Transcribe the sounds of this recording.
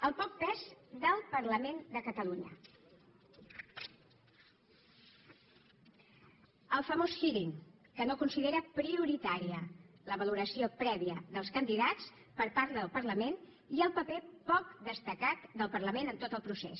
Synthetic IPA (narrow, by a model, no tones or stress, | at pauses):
əlˠpɔk̚pɛzðəlˠpəɾləmend̪əkət̪əluɲə̰ | əlˠfəmosxiɾiŋkənokunsiðeɾəpɾiuɾit̪aɾiələβəluɾəsiopɾɛβiəðəlˠskənd̪iðat͡s | pəɾpaɾt̪ðəlˠpəɾləmen | iəlˠpəpepɔk̚d̪əst̪əkat̪d̪əlˠpəɾləmenənt̪ot̪əlˠpɾusḛs